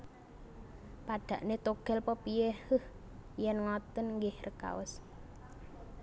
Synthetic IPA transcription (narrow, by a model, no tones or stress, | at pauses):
paɖ̥ä̤ʔnet̪oɡ̥ɛlpəpijehəh | jɛnŋɔt̪ənŋɡɪhrəka̰wə̰s